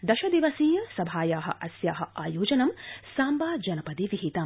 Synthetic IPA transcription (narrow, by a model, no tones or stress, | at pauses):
d̪ɐʃɐd̪iʋɐsiːjɐsɐbʱaːjaːɦɐ̰̆ʔɐsjaːɦɐaːjoːd͡ʒɐnɐmsaːmbaːd͡ʒɐnɐpɐd̪iʋiɦit̪ɐm